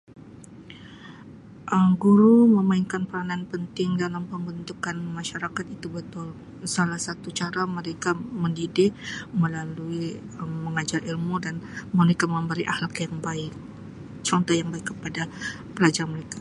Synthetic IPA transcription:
ʔəmɡuɾuməmainkanpəɾanaanpənt̪ɪŋdalampəmbənt̪ukanmaʃaɾakat̪it̪ubət̪ʊl | salahsat̪ut͡ʃaɾaməɾekaməndidɪʔməlalui | əːəŋad͡ʒarʔilmudanməɾekaməmbəɾiʔahlakjaŋbaɪk̚ | t͡ʃɔnt̪ɔhjaŋbaɪkːə̥pada | pəlad͡ʒarməɾekḁ

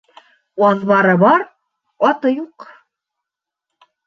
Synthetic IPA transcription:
wɑðβɑɾɤbɑɾ | ɒt̪ɤjuq

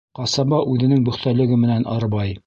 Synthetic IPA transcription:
qɑsɑbɑʔʉðɘ̆nɘŋbɵ̆χt̪ælɘ̆ɡɘmɘ̆nænɑ̰ɾbɑj

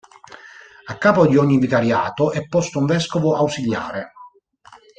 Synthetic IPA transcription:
akːaːpod̪iɔɲːivikaɾjaːt̪oʔɛpːɔst̪ouɱvɛskovoʔawsiʎja̰ːɾe

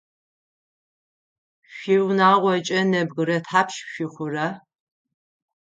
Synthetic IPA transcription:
ɕʷiwnaːʁʷɔt͡ʃʼɐnɐbɣɨɾɐtħaːpʰʃɕʷiχʷʊɾɐ

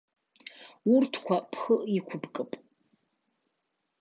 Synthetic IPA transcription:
urtʰkʷʰapʰχəʔikʷʰʊbkʼɨpʼ

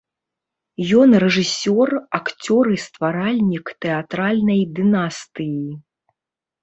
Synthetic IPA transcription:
jɔnrɛʐɨsʲɔrakt͡sʲɔɾɨst̪vaɾalʲnʲikt̪ɛat̪ɾalʲnɐjd̪ɨnast̪ɨji

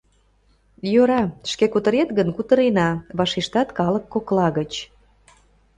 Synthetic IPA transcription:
joɾɑʃkekut̪əɾet̪ɡənkut̪əɾenɑβɑʃiʃt̪ɑt̪kɑləkːoklɑɣət͡ɕ

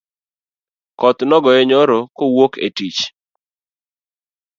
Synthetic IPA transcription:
kɔt̪nɔɡɔɛɲɔɾokowokḛtit͡ʃ

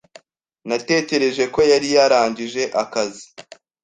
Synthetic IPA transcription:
nate̞ːce̞ɾe̞ʒe̞ko̞jaɾijaɾaːɲɟiʒe̞ʔakazi

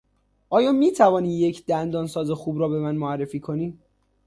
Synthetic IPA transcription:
ʔɒːjɒːmiːt̪ʰævɒːniːje̞cʰd̪̥ænd̪ɒːnsɒːzexuːbɾɒːbe̞mænmoærːe̞fiːkʰo̞niː

